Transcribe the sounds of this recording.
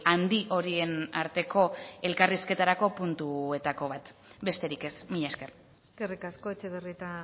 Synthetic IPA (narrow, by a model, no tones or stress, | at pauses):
and̪iʔo̞ɾie̞naɾt̪e̞ko̞e̞lkariske̞t̪aɾako̞punt̪ue̞t̪ako̞β̞at̪be̞st̪e̞ɾike̞smiʎaske̞r | skerikasko̞et͡ʃeðeriet̪a